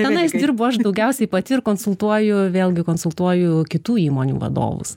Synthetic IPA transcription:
t̪ʲɛnɐɪsd̪ʲɪrbʊːɐʃd̪ɐʊɡʲɛʊsʲɛɪpɐt̪ʲɪɪɾkoːnsʊlˠt̪uɔjʊʋʲeːlʲˠɡʲɪkoːnsʊlˠt̪uɔjʊkʲɪt̪uːiːmoːnʲṵːʋɐ̰d̪o̰ːʋʊ̰s

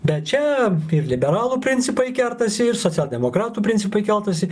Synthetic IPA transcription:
bʲɛt̪̚t͡ʃʲɛɪɾlʲɪbʲɛɾɑːlˠuːpʲɾʲɪnʲt͡s̪ʲɪpɐɪkʲɛlt̪ɐsʲɪɪɾsoːt͡s̪ʲɛːlʲˠd̪ʲɛmoːkɾɑːt̪uːpʲɪnʲt͡s̪ʲɪpɐɪkʲɛlˠt̪ɐsʲɪ

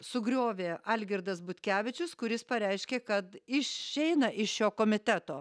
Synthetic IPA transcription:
sʊɡɾʲoːʋʲeːɐlʲɡʲɪɾd̪ɐsbʊt̪ʲkʲæːʋʲɪt͡ʃʲʊskʊɾʲɪspɐɾʲɛɪʃʲkʲeːkɐt̪ɪʃɛɪnɐʔɪʃʃoːkoːmʲɪt̪ʲæt̪oː

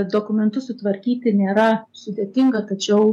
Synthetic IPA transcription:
d̪oːkʊmʲɛnt̪ʊsʊt̪ʋɐɾʲkʲiːt̪ʲɪnʲeːɾɐsʊd̪ʲeːt̪ʲɪŋɡɐt̪ɐt͡ʃʲɛʊ

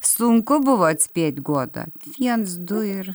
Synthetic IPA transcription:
sʊŋkʊbʊʋoɐt̪ʲsʲpʲiɛt̪ʲɡuɔd̪ɐ̰ʋʲiɛnsd̪ʊɪɾ

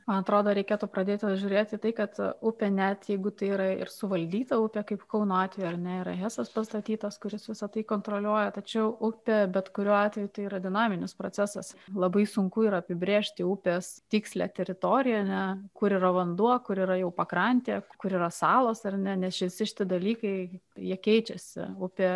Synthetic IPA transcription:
mɐnɐt̪ɾoːd̪oːɾʲɛɪkʲeːt̪upɾɐd̪ʲeːt̪ʲɪʒʲuːɾʲeːt̪ʲiːt̪ɐɪkɐt̪ʊpʲeːnʲɛt̪jɛɪɡʊt̪ɐɪiːɾɐɪ̰rsʊʋɐlʲd̪ʲiːt̪ɐʊpʲeːkɐɪpkɐʊnoːɑːt̪ʲʋʲɛjuɐɾnʲɛiːɾɐɦæːsɐspɐst̪ɐt̪ʲiːt̪ɐskʊɾʲɪsʋʲɪsɐt̪ɐɪkoːnt̪ɾoːlʲuɔjɛt̪ɐt͡ʃʲɛʊʔʊpʲebʲɛt̪kʊɾʲuːɑːt̪ʲʋʲɛjut̪ɐɪiːɾɐd̪ʲɪnɑːmʲɪnʲɪspɾo̰ːt͡s̪ʲæsɐslˠɐbɐɪsʊŋkʊiːɾɐɐpʲɪbʲɾʲeːʃʲt̪ʲɪʊpʲest̪ʲiːksʲlʲæ̰t̪ʲɛɾʲɪt̪oːɾʲɪjɛɐnʲɛkʊɾiːɾɐʋɐnd̪uɔkʊɾiːɾɐjɛʊpɐkɾɐnʲt̪ʲeːkʊɾiːɾɐsɑːlˠoːsɐrnʲɛnʲɛsʃʲɪʋʲɪsʲɪʃʲɪ̥t̪ʲɪd̪ɐlʲiːkɐɪjiɛkʲɛɪt͡ʃʲɛsʲɪ̰ʊpʲeː

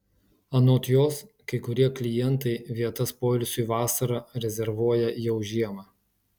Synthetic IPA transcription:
ɐnoːt̪ʲjoːs | kɐɪkʊɾʲiɛklʲɪjɛnˑt̪ɐɪʋʲiɛt̪ɐspoːlʲʊsʲʊiʋɑːsɐɾɑːɾʲɛzʲɛɾʋuɔjɛjɛʊʒʲiɛmɑː

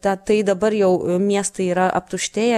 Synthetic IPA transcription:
t̪ʲɐt̪ɐɪd̪ɐbɐɾjɛʊmʲiɛst̪ɐɪiːɾɐʔɐ̰p̚t̪ʊʃʲt̪ʲeːjɛ

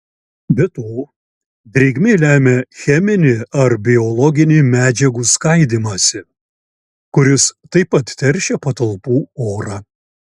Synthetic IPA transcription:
bʲɛt̪oː | d̪ʲɾʲiɡʲmʲelʲæːmʲɛxʲɛmʲɪnʲɪɐɾbʲɪɔlˠɔɡʲɪnʲɪmʲæːd͡ʒʲɛɡuːskɐɪd̪ʲimɐsʲɪ | kʊɾʲɪst̪ɐɪpɐt̪t̪ʲɛɾʲʃʲɛpɐt̪ɐlˠpuːoːɾɑː

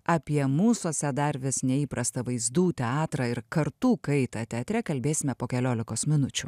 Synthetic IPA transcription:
ɑːpʲiɛmuːsoːsʲɛd̪ɐɾʲʋʲɪsnʲɛiːpɾɐst̪ɐʋɐɪzd̪uːt̪ʲɛɑːt̪ɾɐːɪɾkɐɾt̪uːkɐɪt̪ɑt̪ʲɛɐt̪ʲɾʲɛkɐlʲbʲeːsʲɪmʲɛpoːkʲɛlʲoːlʲɪkoːsmʲɪnʊt͡ʃʲʊ

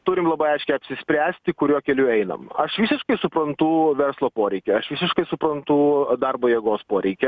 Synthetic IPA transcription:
t̪ʊɾʲɪmlˠɐbɐɪɐɪʃʲkʲɛɪɐpʲsʲɪsʲpʲɾʲæːsʲt̪ʲɪkʊɾʲuːkʲɛlʲʊɛɪnɐ̰mɐʃʋʲiːsʲɪʃkɐɪsʊpɾɐnt̪ʊʋʲɛrslˠoːpoːɾʲɛɪkʲɛɐʃʋʲiːsʲɪʃkɐɪsʊpɾɐnt̪ʊd̪ɐrboːjiɛɡoːspoːɾʲɛɪkʲɛ

